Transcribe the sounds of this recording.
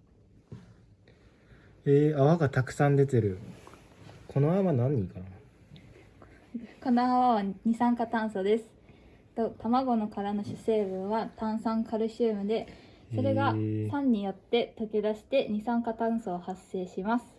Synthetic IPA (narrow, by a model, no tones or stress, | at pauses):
eːaβaɡat̪akɯ̟̥sãnd̪e̞t̪e̞ɾɯ̟ | kʰo̞noaβanãɲ̟ːikana | ko̞noaβaβaɲ̟isãŋkat̪ãɰ̃so̞d̪e̞sɨ̥ | t̪o̞t̪amaɡo̞no̞kaɾano̞ɕɨse̞ːβɯ̟̃ɰ̃βat̪ãɰ̃sãŋkʰaɾɯ̟ɕɨːmɯ̟d̪e̞ | so̞ɾe̞ɡasãɲ̟ːijo̞t̪ːe̞t̪o̞kʲid̪aɕi̥t̪e̞ɲ̟isãŋkat̪ãɰ̃so̞ːhasːe̞ːɕimasɨ̥